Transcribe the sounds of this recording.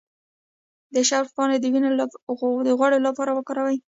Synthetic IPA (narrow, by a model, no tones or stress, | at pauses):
d̪əʃaɾfɡɑned̪əwine | d̪əɣwaɽelapɑɾawəkɑɾawaj